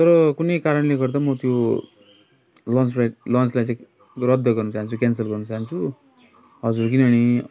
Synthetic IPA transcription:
t̪ʌɾkunekaɾəɳlekʌɾt̪amət̪jo | lɔ̃nsɾaʈlɔ̃nslasek | ɾʌd̪ʱːəkʌɾnut͡sãnt͡sukɛnsəlkʌɾnũt͡sant͡su | ɦʌd͡zuɾkinaɽ̃i

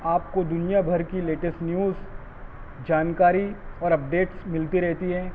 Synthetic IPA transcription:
aːp̚kod̪ʊnijabʱɐɾkileːʈəsʈnjuːz | d͡ʒaːnkaːɾiɔːɾɐp̚ɖeːʈsmɪlt̪iɾɛɦt̪iɦɛ̃ː

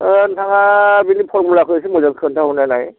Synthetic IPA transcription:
ntʰaŋabinipʰɔɹmulakʰojsɛmɔzaŋsʰɔntʰaɦɔnajnaj

